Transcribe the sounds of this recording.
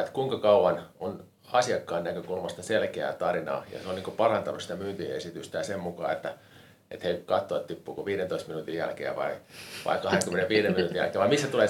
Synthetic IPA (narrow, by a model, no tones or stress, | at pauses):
et̪kuiŋkɑkɑuwɑnon | ɑsiɑkːɑːnnækøkulmɑst̪ɑselkeæ̰ːt̪ɑrinɑ̰ːjɑ̰seoniːŋkopɑrɑnt̪ɑnusi̥t̪æmyːnt̪iḛsit̪yst̪æjɑsemmukɑ̰ːet̪ːæ | ḛt̪heikɑt̪ːoɑt̪t̪ipːuːkoʋiːɾent̪oist̪minuːt̪ijjæ̰lkḛːʋɑ̰iʋɑ̰ikɑheŋkymːeneʋiːɾeminut̪ijæ̰lkeːʋɑimisːæt̪uleː